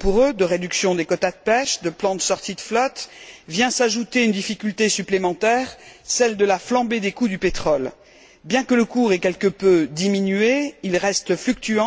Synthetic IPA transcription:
puʁød̪əʁed̪yksjɔ̃d̪ekɔt̪ad̪əpɛʃd̪əplɑ̃d̪əsɔʁt̪id̪əflɔt̪vjɛ̃saʒut̪eynd̪ifikʲylt̪esyplemɑ̃t̪ɛːʁsɛld̪əlaflɑ̃bed̪ekud̪ypet̪χɔl | bjɛ̃kələkuʁɛkʲɛlkəpød̪iminyeilʁɛst̪flykt̪yɑ̃

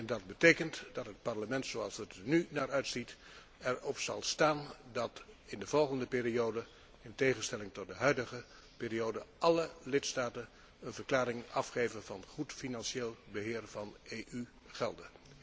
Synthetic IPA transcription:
ɛndɑd̚bətejkəntdɑtɦət̚pɑɹləmɛntsowɑlˠsətnynaːɹœɥtsit | ɛɹɔpsɑ̰lˠstaːndɑtɪndəv̥ɔlˠχəndəpɪːriowdə | ɪntejχənstɛlɪŋtɔt̚dəɦœɥdəχə | pɪːriowdəʔɑləlɪtstaːtən | ənvəɹklaːɾɪŋɑfχejvənvɑnχutfinɑnʃeːlˠbəɦɪːɹvɑneːʔy | χɛ̰lˠdə

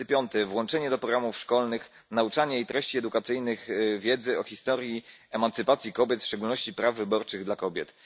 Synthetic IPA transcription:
pʲjɔnt̪ɛvwɔnt͡ʂɛɲɛd̪ɔpɾɔɡɾamufʂkɔlnɘx | naut͡ʂaɲɛit̪ɾɛɕt͡ɕiɛd̪ukat̪sɘjnɘɣvʲjɛd̪zɘɔxʲist̪ɔɾʲjiɛmant̪sɘpat̪sʲjikɔbʲjɛt̪fʂt͡ʂɛɡulnɔɕt͡ɕipɾavːɘbɔɾt͡ʂɘɣd̪lakɔbʲjɛt̪

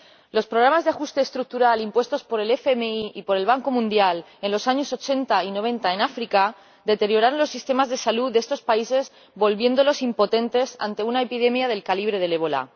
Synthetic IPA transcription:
lo̞spɾoɣɾamazðeaxust̪e̞ːst̪ɾuk̚t̪uɾalimpwe̞st̪o̞spo̞ɾe̞le̞femeiipo̞ɾe̞lβ̞aŋko̞mũnd̪jale̞nlo̞saɲo̞so̞t͡ʃe̞nt̪aino̞β̞ẽ̞nt̪ae̞nafɾika | d̪e̞t̪e̞ɾjo̞ɾaɾo̞nlo̞sːist̪e̞mazðe̞saluðeest̪o̞spaise̞z | bo̞lβje̞nd̪o̞lo̞simpo̞t̪ẽ̞nt̪e̞sa̰nt̪e̞unaepið̞e̞mjað̞e̞lkaliβ̞ɾe̞ð̞e̞le̞β̞o̞la̰

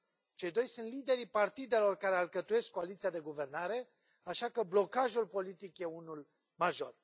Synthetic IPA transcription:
t͡ʃe̞jd̪o̞jsunt̪lid̪e̞ɾipart̪id̪e̞lo̞rkaɾearkət̪uje̞skkːoalit̪siad̪e̞ɡuve̞rnaɾe̞ | aʃakəblo̞kaʒulpo̞lit̪ikje̞unul | maʒo̞r

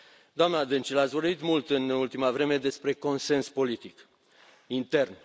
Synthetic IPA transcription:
d̪oamnad̪ɨnt͡ʃilat̪svo̞rbit̪mult̪ɨnult̪imavɾe̞me̞d̪e̞spɾe̞ko̞nse̞nspo̞lit̪ik | int̪e̞rn

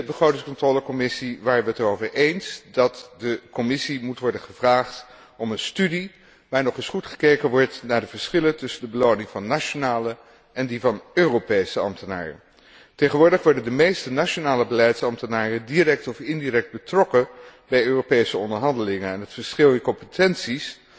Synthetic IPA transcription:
bəχrowtɪŋskɔntroːləkɔmɪsiʋaːɹʋətərowvəɹʔejnsdɑtdəkɔmɪsimutʋɔɹdənχəvraːχt | ɔmənstydi | ʋaːɹnɔχɪsχutχə̥kejkənʋɔɹtnaːɹdəv̥əɹsχɪləntɵsəndəbəlownɪŋvɑnːat͡ʃonaːlə | ʔɛndivɑnøːropejsəɑ̰mtəna̰ːrə̰ | tejχənʋʊːɹdəχʋɔɹdəndəmejstənaʃonaːləbəlɛjtsɑmtənaːrədirɛk̚tɔfɪndirɛk̚d̚bətrɔkə | bɛjøːropejsəɔndəɹɦɑndəlɪŋənɛnɦətfəɹsχɪlˠɪnkɔmpətɛnsis

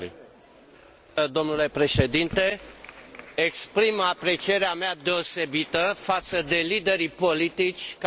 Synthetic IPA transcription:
d̪o̞mnule̞pɾe̞ʃe̞d̪int̪e̞ | ekspɾimapɾe̞t͡ʃie̞ɾeamead̪e̞o̞se̞bit̪əfat̪səd̪e̞lid̪e̞ɾipo̞lit̪it͡ʃʲk

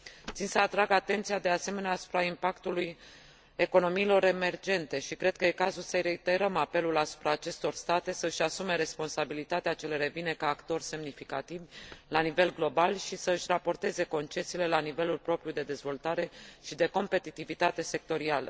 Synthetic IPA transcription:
t̪sinsəat̪ɾaɡat̪e̞nt̪sijad̪e̞ase̞me̞neaːsu̥pɾaimpakt̪uluj | e̞ko̞no̞miːlo̞ɾe̞me̞rd͡ʒe̞nt̪e̞ʃikɾe̞d̪̚kəje̞kazulsəjɾeit̪e̞ɾəmape̞lulasu̥pɾaːt͡ʃe̞st̪o̞rst̪at̪e̞səɨʃasume̞ɾe̞spo̞nsabilit̪at̪eat͡ʃe̞le̞ɾe̞vine̞kaːkt̪o̞rʲse̞mnifikat̪ivʲlanive̞lɡlo̞balʃisəɨʃʲrapo̞rt̪e̞ze̞ko̞nt͡ʃe̞siːle̞lanivelulpɾo̞pɾjud̪e̞d̪e̞zvo̞lt̪aɾe̞ʃid̪e̞ko̞mpe̞t̪it̪ivit̪at̪e̞se̞k̚t̪o̞ɾialə̰

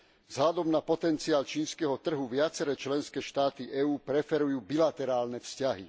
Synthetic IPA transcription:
vzɦlad̪ɔmnapɔt̪ɛnt͡siaːlt͡ʃiːnskɛɦɔt̪r̩ɦuʋɪat͡sɛɾɛt͡ʃlɛnskɛːʃt̪aːt̪iʔɛuːpɾɛfɛɾujuːbilat̪ɛɾaːlnɛfscaɦḭ

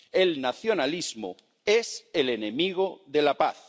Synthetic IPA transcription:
elnaθjo̞nalizmo̰ | eselenemiɣ̞oðe̞lapaθ

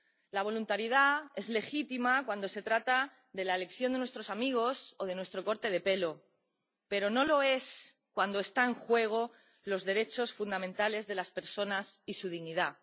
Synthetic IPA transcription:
laβ̞o̞lunt̪aɾjiðae̞zle̞xit̪imakwand̪o̞se̞t̪ɾat̪a | ðe̞laele̞kθjond̪enwest̪ɾo̞samiɣ̞o̞so̞ð̞e̞nwe̞st̪ɾo̞ko̞ɾt̪e̞ð̞e̞pe̞lo̞ | pe̞ɾo̞no̞lo̞e̞skwand̪o̞e̞st̪aeŋxwe̞ɣ̞o̞ | lo̞zðe̞ɾe̞t͡ʃo̞sfund̪amẽnt̪ale̞zðe̞laspe̞ɾso̞nasisuð̞iɣniða

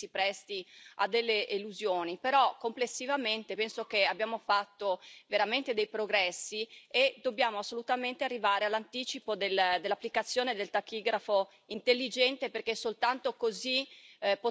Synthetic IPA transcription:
ipɾɛst̪ia̰d̪ːelːeʔeluzjoːnipeɾɔkomplesːivament̪epɛnsok̟eabjaːmofat̪ːoveɾament̪ed̪ejpɾoɡɾɛsːied̪objaːmoasːolut̪ament̪earːivaːɾealːant̪iːt͡ʃipod̪eld̪elːapːlikat̪sːjoːned̪elt̪akiːɡɾafo | int̪elːid͡ʒɛnt̪eperkesːolt̪ant̪okozipo

